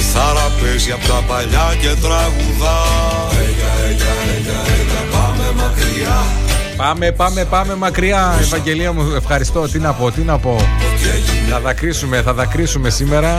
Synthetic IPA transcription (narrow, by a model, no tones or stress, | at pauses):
θɐɾɐpeziɐpot̪ɐpɐʎɐcet̪ɾɐɣuðɐ | mɐkɾi | pɐme̞pɐme̞pɐme̞mɐkɾiɐevɐɲɟe̞liɐmue̞fxɐɾist̪o̞t̪inɐpo̞t̪inɐpo̞ | ɐðɐkɾisume̞θɐðɐkɾisume̞simeɾɐ